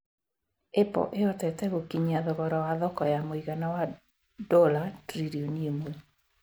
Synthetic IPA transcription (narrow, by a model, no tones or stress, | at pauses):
epɔ̰ʔeɔtɛtɛɣokiɲaðɔɣɔɾɔwaðɔkɔjamoiɣanawa | dɔlatɾiɾioniemu